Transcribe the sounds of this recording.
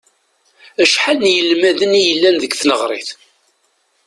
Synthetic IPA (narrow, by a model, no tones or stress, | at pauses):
æʃħalnjəlmæðənijəlːænðəɡθnəʁɾˤɪ̰θ